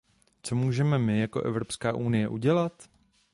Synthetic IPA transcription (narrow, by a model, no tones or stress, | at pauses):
t͡so̞muːʒɛmɛmɪjako̞ʔɛvɾo̞pskaːʔunɪjɛʔuɟɛlat̪